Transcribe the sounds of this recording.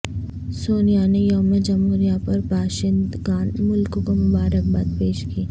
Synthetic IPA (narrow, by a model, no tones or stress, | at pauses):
soːnijanejoːmed͡ʒɐmoːɾijapɐɾbaːʃɪnd̪ɡaːnmʊlkokomʊbaːɾək̚baːt̪̚peːʃkiː